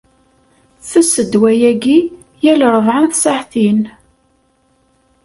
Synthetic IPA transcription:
θæsəd̪wæjæɡi | jælɾˤəvʕanθsaħθin

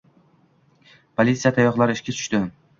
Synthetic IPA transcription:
pʰolʲit̪sijat̪ʰajɒχlˠaɾɪɪʃkʲat͡ʃ̪ʰʊ̥ʃt̪ɪ

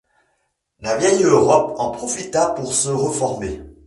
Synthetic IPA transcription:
lavjɛjøʁɔpɑ̃pχɔfit̪apuʁsəʁəfɔʁme

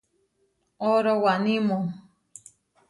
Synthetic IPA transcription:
oɾowaʔnĩmõ

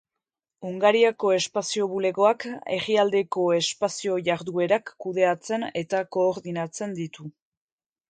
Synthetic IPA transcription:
uŋɡaɾiako̞e̞spasio̞βule̞ɣo̞akeɣiald̪e̞ko̞e̞spasio̞ʝaɾðue̞ɾakːuðe̞at͡se̞ne̞t̪ako̞ːɾðinat͡se̞nd̪it̪u

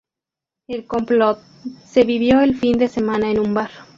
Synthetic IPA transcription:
elko̞mplot̪̚ | se̞βiβjo̞elfind̪e̞semãnaenũmbaɾ

